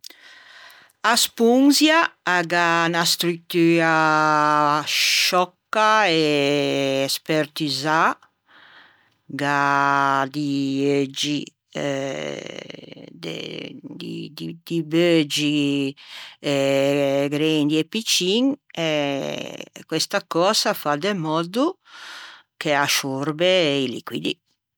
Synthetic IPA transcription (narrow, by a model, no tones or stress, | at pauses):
aspuŋzjaːɡanast̪ɾyt̪yːɾa | ʃɔkːae | ɛspɛɾt̪iza | ɡa | d̪iød͡ʒi | d̪ɛ̰d̪ḭd̪id̪̥ibød͡ʒi | ɛ | ɡɾɛnd̪iɛpːit͡ʃːiŋɛ | kwest̪akɔːzafad̪emɔd̪u | keaʃorbeilḭkwḭd̪i